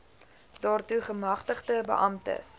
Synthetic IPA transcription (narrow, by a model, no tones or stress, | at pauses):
dɑːrtuχəmɐχtəχdəbə̰ʔɐmtə̰s